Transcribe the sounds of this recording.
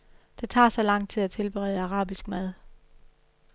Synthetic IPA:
d̥et͡sʰɑ̈ːsɒ̽lɑ̈ŋ̰d̥̚t͡sʰeæt͡sʰe̝lb̥eʁɛ̰ːðˠɑ̈ʁɑ̰̈ːb̥isɡ̥mæð̞ˠ

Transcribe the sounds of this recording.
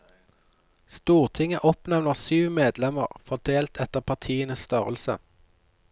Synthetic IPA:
st̪uːʁt̪ʰɪŋəʔɔpnɛʋnəʁsyːʋmeːd̪lɛmə̰ʁfɔʁd̪eːlt̪ʰɛt̪əʁpʰɑʁt̪ʰiːənəsst̪œʁəlsə̰

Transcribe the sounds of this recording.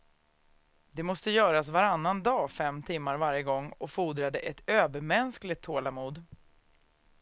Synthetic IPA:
d̪ɛmɔst̪əjœːɾasvaɾanːand̪ɑːfɛmt̪ʰɪmːaɾvaɾjəɡɔŋːɔfuːd̪ɾad̪əʔɛt̪øːvəɾmɛnsklɪt̪ʰːoːlamuːd̪

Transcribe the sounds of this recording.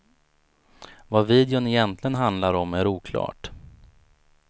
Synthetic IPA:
vaviːd̪ɪʊnɪjɛnt̪ʰlɪɡənɦand̪laɾɔmæɾuːkʰlɑ̰ːʈ

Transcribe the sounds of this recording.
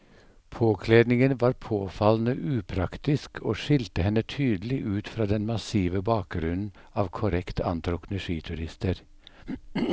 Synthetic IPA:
pʰoːkʰleːd̪nɪŋənʋɑːɾpʰoːfɑln̩əʔʉːpʰɾɑkt̪ɪskʰoːʃɪlt̪əhɛnət̪ʰyːd̪l̩ɪʔʉːt̪fɾɑːd̪ɛnmɑsiːʋəbɑːk̚ɡɾʉnn̩ | ɑːʋkʰʊɾɛkt̪ʰɑ̰nt̪ʰɾɔknəʃiːt̪ʰʉɾɪst̪əɾ

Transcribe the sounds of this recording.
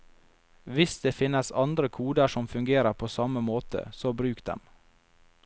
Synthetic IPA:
ʋɪsd̪̥eːfɪnəsɑnd̪ɾəkʰuːd̪əʂɔmfʉŋɡeːɾəɾpʰoːsɑməmoːt̪ʰə̰soːbɾʉːkd̪ɛ̰m

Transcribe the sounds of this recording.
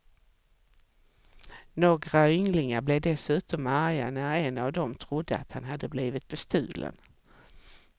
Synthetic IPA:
noːɡɾaʏŋlɪŋaɾblɛd̪ɛsʉ̟ːt̪ɔmæɾja̰næɾɛnavd̪ɔmt̪ʰɾʊd̪ːəa̰t̪hanɦad̪ːəbliːvɪt̪̚bɛst̪ʉ̟̰ːlʔə̰n

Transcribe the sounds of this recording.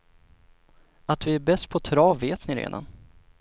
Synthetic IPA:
at̪vɪæɾbɛst̪̚pʰɔt̪ʰɾɑːvːeːt̪nɪɾḛːd̪a̰n

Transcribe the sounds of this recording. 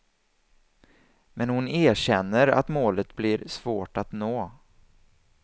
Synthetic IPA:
mɛnhʊneːɕɛnːəɾa̰t̪moːlət̪blɪɾsvoːʈat̪noː

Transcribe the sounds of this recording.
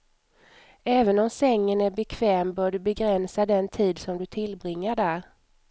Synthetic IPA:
ɛːvənɔmsɛŋːənæɾbɛkʰvɛːmbœːɖɵbɛɡɾɛnsad̪ɛnt̪ʰiːd̪sɔmd̪ɵt̪ʰɪlbɾɪŋːəɖæɾ

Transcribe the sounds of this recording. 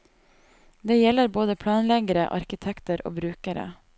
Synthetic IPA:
d̪eːjɛləɾboːd̪əpʰɽɑːnlɛɡəɾə̰ʔɑ̰ɾkɪt̪ʰɛkt̪əɾo̰ːbɾʉːkəɾə̰

